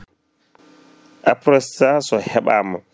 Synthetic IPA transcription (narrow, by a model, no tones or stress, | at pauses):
ʔapɾɔstasɔhɛɓa̰ːma